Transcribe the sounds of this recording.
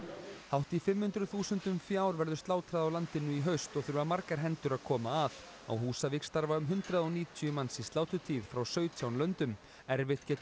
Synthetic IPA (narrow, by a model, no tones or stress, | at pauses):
hawht̪ifɪmhʏnt̪ɾʏθuːsʏnt̪ʏmfjaːwɾvɛɾðʏst̪aːwt̪ʰɾaðawlant̪ɪnːʏiɦœɥst̪ɔɣθʏɾvamaɾkaɾ̥ɦɛnt̪ʏɾaðkʰɔːmaːð | a̰wɦuːsavɪkst̪aɾvaʏmɦʏnt̪ɾaðɔwniːt̪ʰʏʏmansist̪laːwt̪ʏt̪ʰiːð̥fɾawsœːɥt̪ʰjawnlœnt̪ʏm | ɛɾvɪht̪cɛːt̪